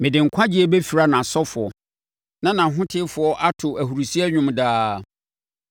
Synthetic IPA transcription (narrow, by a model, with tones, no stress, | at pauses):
mɪ̃˨dɪ̃˨ŋ̩˨kʷʰã˦d͡ʑi˦ɛ˦bɛ˦fi˨ɾa˦nã˨sɔ˦fʊ˨ɔ˨ | nã˦nã˨ɦʊ̃˦tʰɪ˦fʊ˨ɔ˦ʔa˦tʰʊ˨æ˨hu˨ɾu˨si˦ɛ˦ɲᶣʊ̃˦mdaː˦